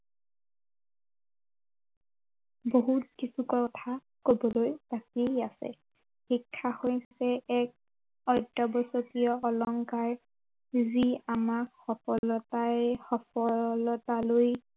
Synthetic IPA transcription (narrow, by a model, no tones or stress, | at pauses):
boɦut̚kisukɔtʰa | kobɔlojbakiasɛ̰ | xikʰːahojsɛɛk̚ | ɔjdɔbɔsɔkijɔːlɔŋkaɹ | ziamakxɔpɔlɔtaxɔpɔlɔtaloj